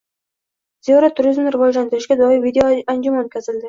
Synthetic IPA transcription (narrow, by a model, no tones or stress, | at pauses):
zeoɾat̪ʰʊɾizmnɪɾɨvɒd͡ʒland̪ɪɾɪʃɡʲad̪ɒɪvid̪ʲeoand͡ʒʊmanot̪̚ʲkʰʲazɪld̪ɪ